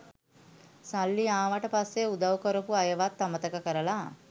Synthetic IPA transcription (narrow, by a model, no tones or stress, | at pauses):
salːiaːʋaʈəpasːeud̪ɐwukəɾopuajəʋat̪ːamət̪ɐkəkəɾəlaː